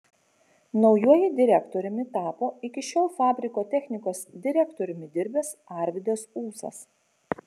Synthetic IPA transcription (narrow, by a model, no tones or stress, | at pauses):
nɒʊjuɔjɪd̪ʲɪɾʲɛkt̪oːɾʲʊmʲɪt̪ɑːpoːɪkʲɪʃʲoːlˠfɑːbʲɾʲɪkoːt̪ʲɛxʲnʲɪkoːsd̪ʲɪɾʲɛkt̪oːɾʲʊmʲɪd̪ʲɪɾʲbʲeːsɑˑɾʲʋʲɪd̪ʲesuːsɐ̰s